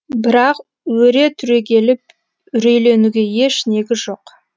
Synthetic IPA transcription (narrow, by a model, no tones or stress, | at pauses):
bɪɾɑq | wɵɾe̞t̪ʰʏɾe̞kʲe̞lɪp̚ | ʏɾe̞jle̞nuɡʲe̞je̞ʃne̞ɡʲɪzʒo̞q